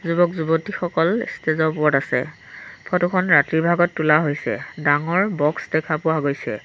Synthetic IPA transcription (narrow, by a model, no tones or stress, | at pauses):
zubɔkzubotixɔkɔlstezɔpʊɔtasɛ̰ | pʰɔtukʰɔnɹatɹibʱaɡɔtːulaɦojsɛ̰daŋɔɹbɔksdɛkʰapʊwaɡojsɛ̰